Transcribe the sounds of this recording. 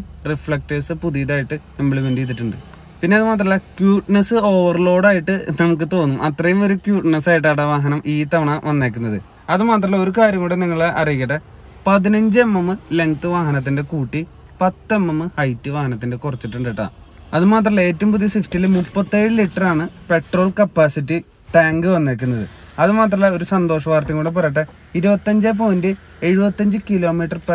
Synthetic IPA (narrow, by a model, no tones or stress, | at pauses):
rifɭɐk̚ʈeːsɨpuðijðaːjiʈːɨ | embiɭumendijit̪̬ːiʈːuɳɖɨ̰ | pinːe̞ɐðɨmaːt̪̬rɐilːɐkjuːʈnesɨo̞ːʋɐrlo̞ːɽaːjiʈːɨnɐmuk̬ːɨt̪o̞ːnːumʔɐt̪rɐjumo̞ɾukjuːʈnɐsaːjiʈ̬ːaːɽɐʋaːɦɐnɐmiːt̪ɐʋɐɳɐʋɐnːaːk̬ʲːunːɐðɨ | ɐðɨmaːt̪̬rɐlːɐoɾukaːɾjɐmuːɽeniŋːɐɭɐrijikːɐʈːɐ | pɐðinɐɲd͡ʑemːɐmɨle̞ŋɡt̪ɨʋaːɦɐnɐt̪̬ːinde̞kuːʈːi | pɐt̪ːemːɐmːɨhɐjtːɨʋaːɦɐnɐt̪̬ːinde̞kurɐt͡ɕːiʈːuɳɖiʈːɐ̰ | ɐðɨmaːt̪̬rɐlːɐe̞ːtːɐmpuðijɐsiftilemupːɐt̪ːeːɻɨliʈːɐraːɳɨpe̞ʈroːɭkɐpːaːsitːi | ʈaːŋɡɨʋɐnːeːk̬ʲːunːɐðɨ̰ | ɐðɨmaːt̪rɐlːɐoɾusɐnd̪o̞ːʂɐʋaːrt̪ɐŋːuːɽep̬ɐrɐjɐʈ̬ːɐ | iɾubɐt̪ːɐɲd͡ʑep̬ːɐmndɨ | e̞ɻubɐt̪ːɐɲd͡ʑɨkilo̞ːmiːʈːɐrp